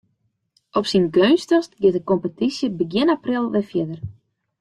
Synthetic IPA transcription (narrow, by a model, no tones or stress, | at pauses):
ʔɔpsinɡønstɔstɡɪtəkompətisjəbəɡjɪnaprɪlˠʋɪfjɪdər